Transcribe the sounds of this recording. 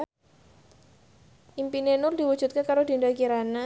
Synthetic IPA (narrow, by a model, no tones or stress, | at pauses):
ʔimpinenʊrd̥̪iwud̥ʒ̥ṳt̪̚kakaɾod̪̥indakiɾana